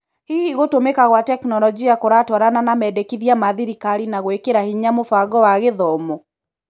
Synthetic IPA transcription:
hiiɣotomekaɣwatɛknɔlɔd͡ʒiakoɾatwɔɾananamɛdekiðiamaðiɾikaɾinaɣwekeɾahiɲamofaɡɔwaɣeðɔmɔ

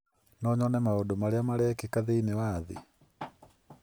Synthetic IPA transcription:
nɔɲɔnɛmaodomaɾeamaɾɛːkekaðeinewaðḛ

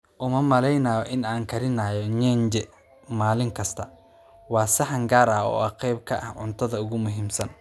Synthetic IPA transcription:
ʔʊmɐmɐlɛjnaːjɔʔɪnaːŋkʰɐɾɪnaːjɔɲɛːnd͡ʒɛ | maːlɪŋkʰɐst̪ʰɐ | wɑːsɪħɐŋɡaːɾaːɔ̰ːaqɛjb̚kʰɐʔɐ̰hʕʊnt̪ʰɐðɐʊɣʊmʊɦiːmsɐn

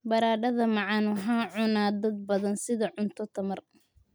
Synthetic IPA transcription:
bɐɾaːɖɐðɐmɑʕɑnʊɦaːʕʊnaːd̪ɐd̪̚bɐðɐnsɪðɐʕʊnt̪ʰɔt̪ʰɐmɐr

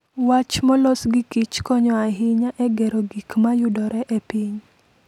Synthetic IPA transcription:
wat͡ʃmɔlɔsɡikit͡ʃkɔɲɔaɦɪɲaʔɛɡɛɾoɡikmajʊdɔɾɛʔepiɲ

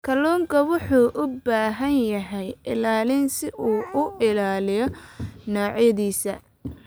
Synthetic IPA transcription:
kʰɐlɔːŋkʰɐwʊħuːʔʊbaːɦɐnjɐɦɛjɪ̰laːlɪnsɪʔuːʊʔɪlaːlɪjɔnɔːʕjɐðiːsɐ̰

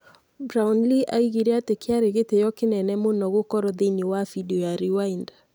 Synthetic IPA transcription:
bɾaunliʔaiɣiɾeatekeaɾeɣetejɔkenɛnɛmonɔɣokɔɾɔðenewafidiɔjaɾiwainda

